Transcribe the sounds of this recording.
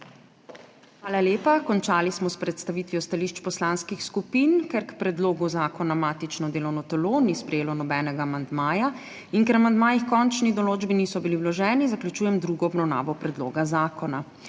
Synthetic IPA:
xʋaːlaljeːpakɔnt͡ʃaːlismɔspɾɛt̪st̪aʋit̪ʋijɔst̪aliːʃt͡ʃpɔslaːnskixskupinkɛɾkpɾɛd̪loːɡuzaːkɔnamaːt̪it͡ʃnɔd̪eːlɔwnɔt̪ɛlonispɾɛjeːlɔnɔbɛːnɛɡaːmand̪maːja | inkɛɾamand̪maːjixkɔnt͡ʃnid̪ɔloːd͡ʒbinisɔbiliwlɔʒɛːnizaklʲjut͡ʃuːjɛmd̪ɾuɡɔɔbnawna̰ːʋɔpɾɛd̪lo̰ːɡazaːkɔna

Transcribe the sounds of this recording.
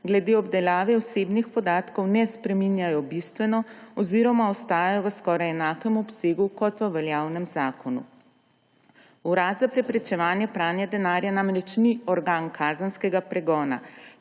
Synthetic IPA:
ɡlɛd̪eːɔbd̪ɛlaːʋɛɔseːbnixpɔd̪aːt̪kɔwnɛspɾɛminjajɔbist̪ʋɛnɔɔziɾɔmaɔst̪aːjajɔʋəskɔːɾajɛnaːkɛmɔpseːɡukɔt̪ʋəʋɛljaːwnɛmzaːkʰɔnṵ | uɾaːd̪zapɾɛpɾɛt͡ʃɛʋaːnjɛpɾaːnjad̪ɛnaːɾjanaːmɾɛt͡ʃniɔɾɡaːnkʰaːzənskɛɡapɾɛɡɔːna̰

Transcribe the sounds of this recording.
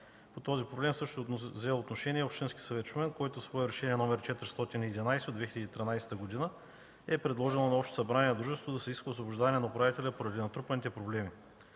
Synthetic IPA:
pot̪ɔzipɾoblɛmsɤʃt̪zɛot̪noʃɛniɛopʃt̪inskʲi̥sɐvɛt̪t͡ʃumɛnkoɛt̪ʊsvɔɛɾɛʃɛnʲiɛnɔmɛɾt͡ʃɛt̪ɾʲist̪ɔt̪iniːd̪inajsɛd̪od̪vɛxilʲəd̪it̪ɾʲinajsɛ̥t̪əɡod̪inə | ɛpɾɛd̪lˠɔʒɛlˠonɐɔpʃt̪o̥sɐbɾaniɛd̪ɾuʒɛnst̪vʊd̪ɐsɛiskəːsvobʊʒd̪avɐnɛnɐopɾavit̪ɛlʲɐpoɾɐd̪inɐt̪ɾupɐnit̪ɛpɾoblɛmi

